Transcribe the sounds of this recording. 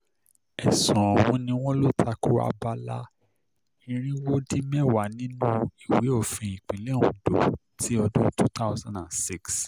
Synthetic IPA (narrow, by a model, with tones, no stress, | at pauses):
ɛ˨sɔ̃˨wɔ̃˨˧nĩ˧w̃ɔ̃˦lo˦tʰa˧ku˦a̰˧˨ba˧la˦ | ĩ˦˧ɾ̃ĩ˦wo˦di˦mɛ˦˨wa˨˦nĩ˦nũ˦i˨we˨˦o˦˨fĩ˧˨ĩ˨k͡pĩ˨le˨˦˨ũ˨do̰˨ | tʰi˦ɔ˧dõ˦tu˦ta˦ʊzã˨ndã˨nsi˦˨ks